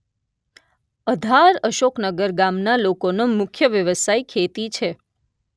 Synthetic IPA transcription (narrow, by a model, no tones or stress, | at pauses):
əd̪ʱaɾəʃoknəɡəɾɡamnalokonomʊkʰjəʋjəʋəsaikʰet̪it͡ʃʰe